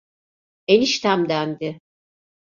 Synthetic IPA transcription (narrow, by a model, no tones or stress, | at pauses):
eniʃt̪ʰæmd̪ænd̪ɪ